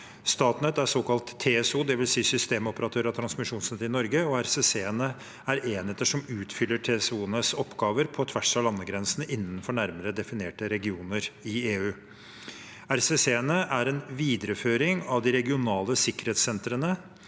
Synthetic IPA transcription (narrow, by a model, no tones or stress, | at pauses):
st̪ɑːt̪nət̪æɾsoːkɑlt̪ʰːeːɛsuːd̪ɛʋɪlsiːsʏst̪eːmɔpəɾɑt̪ʰøːɾɑt̪ʰɾɑnsmɪʂuːnsɛt̪ːɪnɔɾɡəɔæɾseseːɛnə | æɾeːnɛt̪ːəʂɔmʉːt̪fʏlːəʈʰeːɛsuːənəsɔpːɡɑːʋəɾpʰɔt̪ʰʋæʂɑlɑnːəɡɾɛnsənəʔɪnːənfɔɳæɾməɾəd̪ɛfɪneːʈəɾɛɡɪuːnəɾɪeːʉː | æɾseseːɛnəʔæɾɛnʋiːd̪əɾəføːɾɪŋɑʋd̪ɪɾɛɡɪʊnɑːləsɪkːəɾheːt̪sɛnt̪ɾənə